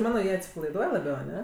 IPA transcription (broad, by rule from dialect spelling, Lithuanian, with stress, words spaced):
ˈmɑːnoː ˈjiɛ ɐtʲsʲɪpɐlˠɐɪˈduɔj lˠɐˈbʲɛʊ ɐˈnʲɛ